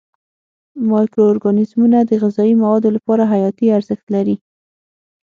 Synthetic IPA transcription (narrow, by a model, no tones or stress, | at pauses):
mɑjkɾoːɾɡɑnɪzmunad̪əɣɪzɑimawɑd̪olapɑɾaɦajɑt̪iaɾzəxt̪laɾi